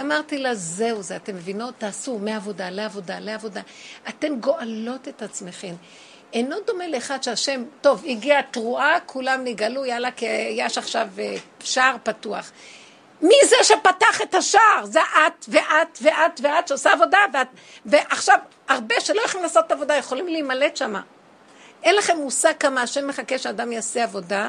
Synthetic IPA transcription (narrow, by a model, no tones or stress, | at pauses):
amaʁt̪ilaze̞uzeate̞mːevinot̪ːaːsumeavo̞daleavo̞daleavo̞daʔat̪e̞mɡo̞ʔalo̞t̪etat͡smeχe̞m | eno̞d̪o̞me̞leːχad̪ʃeaʃe̞mto̞viɡiatʁuakʰulamniɡalujalakejeʃaχʃaveʃaʁpatuaχ | mizeʃepataχethaʃaːʁzeʔat̪veʔatveʔat̪veatʃeosaːvo̞davea | veʔaχʃav | aʁbe̞ʃelo̞jaχimlaːsotavo̞dajeχolimleimale̞tʃama̰ | ʔenlaχemusakamaːʃemːeχakeʃeadamjaseavo̞da